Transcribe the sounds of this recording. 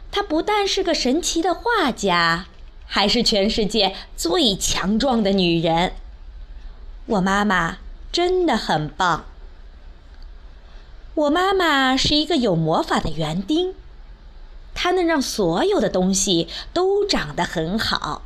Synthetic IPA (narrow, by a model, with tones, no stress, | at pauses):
t̪ʰa˥pu˧˥t̪a˥˧nʂɻ̩˥˩ɡə˩ʂə˧˥nt͡ɕʰi˧˥d̪ə˧xwa˥˩t͡ɕja˥˩ | xa˧˥ɪʂɻ̩˥˩t͡ɕʰɥɛ˧˥nʂɻ̩˥˧t͡ɕjɛ˥˧t͡swe˥˩ɪt͡ɕʰjɑ˧˥ŋʈ͡ʂwɑ˥˩ŋd̪ə˩ny˨˩ɻə˧˥n | wʔɔ˨˩ma˥ma˩ʈ͡ʂə˥nd̪ə˨xə˨˩npɑ˥˩ŋ | wɔ˨˩ma˥ma˨ʂɻ̩˥˩i˧˥ɡə˧jo˨˩ʊmwɔ˧˥fa˨˩d̪ə˦ɥɛ˧˥nt̪i˥ŋ | t̪ʰa˥nə˧˦ɻɑ˥˩ŋswɔ˧˥jo˨˩ʊd̪ə˩t̪ʊ˥ŋɕi˨t̪o˥ʊʈ͡ʂɑ˨˩ŋd̪ə˦xə˧˥nxɑ̰˨˩˦ʊ